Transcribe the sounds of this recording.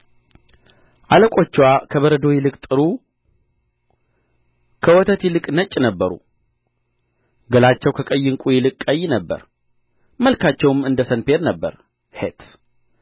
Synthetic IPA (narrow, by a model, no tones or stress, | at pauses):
ʔaləkʼo̞t͡ʃːwakʰəβəɾəd̪o̞jɪlɨkʼt̪ʼɨɾu | kʰəwɔt̪ʰət̪jɪlɨkʼnət͡ʃʼːnəbːəɾṵ | ɡəlat͡ʃːɛwkʰəkʼəjːɨŋkʼujɪlɨkʼːəjːnəbːə̰ɾ | məlkʰat͡ʃːɛwmɨnd̪əsənpe̞ɾnəbːə̰ɾ | het̪ʰ